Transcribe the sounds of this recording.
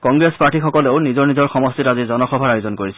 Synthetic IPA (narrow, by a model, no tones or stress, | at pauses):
kɔŋɡɹespaʈʰixɔkɔleʊnizɔɹnizɔɹxɔmɔstitazizɔnɔxɔbʱaɹajʊzɔnkoɹisɛ̥